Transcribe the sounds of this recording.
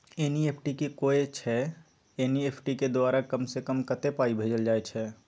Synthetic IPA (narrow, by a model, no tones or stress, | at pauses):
eːnieːpʰʈikikoːet͡ʃʰɛ | eːnieːpʰʈiked̪ʊaːɾakəmsekəmkət̪epaːibʱeːd͡ʒəld͡ʒaːet͡ʃʰɛː